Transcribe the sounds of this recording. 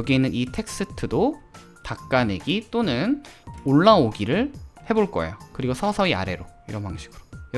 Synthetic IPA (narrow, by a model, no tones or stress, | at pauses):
ʌɡiinːɯnitʰe̞k̚s͈ɯtʰɯdo | tak̚k͈aneɡit͈onɯnoɭːaoɡiɾɯɭhe̞boɭk͈ʌ̰ḛjokɯɾiɡosʰʌsʰʌia̰ɾe̞ɾoiɾʌnbaŋɕʰiɡ̥ɯɾo̥j